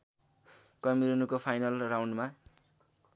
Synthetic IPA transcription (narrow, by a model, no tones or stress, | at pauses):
kʌmiɾunukopʰajnʌlrawɳɖma